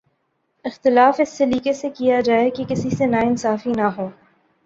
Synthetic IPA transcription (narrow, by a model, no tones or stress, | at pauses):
ɪxt̪ɪlaːfɪsːeliːkesekijad͡ʒaːekekɪsisenaɪnsaːfinaɦoː